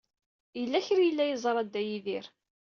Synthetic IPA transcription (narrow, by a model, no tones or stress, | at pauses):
jəlːæçɾjəlːæjəzˤɾˤɑd̪ːæjiðiɾ